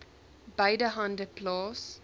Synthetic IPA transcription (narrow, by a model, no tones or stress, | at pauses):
baɪdəɦãndəplɔs